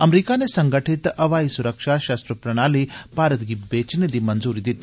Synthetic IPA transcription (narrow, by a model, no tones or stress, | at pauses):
ɐmɾiːkanesɐŋɡəʈʰit̪ɐʋaːisuɾəkʃaʃaːst̪ɾəpɾɐɽ̃aːlib̥ʱaːɾət̪ɡibeːt͡ʃned̪imɐnzuːɾid̪it̪